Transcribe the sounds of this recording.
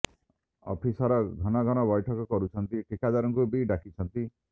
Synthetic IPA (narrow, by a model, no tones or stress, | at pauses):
ɔ̰pʰisɔɾɔɡʱɔnɔɡʱɔnɔbɔjʈʰɔkɔkɔɾut͡ʃʰɔnt̪iʈʰikad͡ʒaɾɔŋkubiɖakit͡ʃʰɔnt̪i